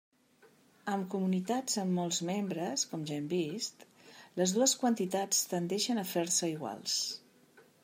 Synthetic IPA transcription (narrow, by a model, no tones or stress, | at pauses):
əmkumunit̪ad͡zəmːɔlˠzmembɾəskɔmʒaɛmbist̪ləzðuəskwənt̪it̪at͡st̪ənd̪ɛʃənəfeɾsəiɣwa̰lˠs